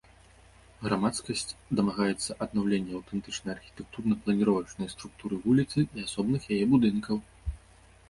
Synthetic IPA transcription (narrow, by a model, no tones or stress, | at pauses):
ɣɾamat̪skɐsʲt͡sʲd̪ɐmaɣajɛt̪sːɐʔɐd̪nawlʲenʲːɐɐwt̪ɛnt̪ɨt͡ʂnɐjarxʲi̥t̪ɛk̚t̪urnɐplˠɐnʲiɾɔvɐwt͡ʂnɐjst̪ɾuk̚t̪uɾɨvulʲit̪sɨiasɔbnɨxjajɛbud̪ɨnkɐw